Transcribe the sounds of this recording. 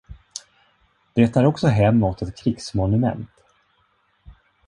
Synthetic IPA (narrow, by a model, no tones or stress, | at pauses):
d̪̥eːt̪ʰːæːɾɔksɔɦɛmːɔt̪ʰɛt̪kʰɾɪksmɔnɵmɛ̰nt̪